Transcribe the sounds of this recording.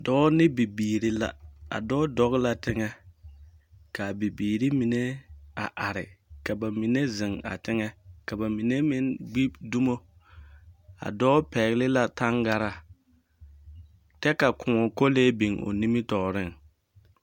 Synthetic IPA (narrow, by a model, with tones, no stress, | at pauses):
dɔː˦nɪ˦bi˨biː˨ɾi˦la̰˦a̰˨dɔː˦dɔ˦ɣla˦tɪ˦ŋɛ˦ | ka˨bi˨biː˨ɾi˦mi˨ne˦a˨ʔa˨ɾɪ̰˨ka˨ba˨mi˨ne˦zɪ˨ŋa̰˨tɪ˦ŋɛ˦ka˨ba˨mi˨ne˦mɪ˦nɡ͡bi˦du˦mo˦ | a̰˨dɔː˦pɛ˨ɣlɪ˦la˦ta˦ŋɡa˦ɾa˨ | tɛ˦ka˨kʊ˨ɔ˨ko˦leː˦bi˨ŋo̰˨ni˦mɪ˦tɔː˨ɾɪ˦˨ŋ